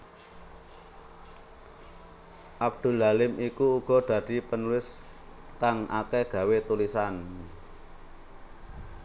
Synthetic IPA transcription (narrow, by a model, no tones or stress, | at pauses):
ʔab̚d̪̥ṳlalɪmʔikuːɡ̥ɔ̤d̪̥ä̤d̪̥i̤pənulɪs | t̪aŋʔa̰kɛɡ̥ä̤wet̪ulisan